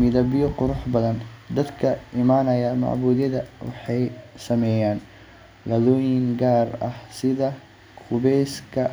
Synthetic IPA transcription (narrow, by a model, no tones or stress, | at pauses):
mɪðɐbɪjɔqʊɾʊħbɐðɐnd̪ɐd̪kʰɐɪmaːnɐjɐmɑ̰ʕbuːðjɐðɐwɑ̰ħɑjsɐmɛjaːn | ɡɐðɔːjɪŋɡaːrɐhsɪðɐ | kʰʊβɛjskʰɐ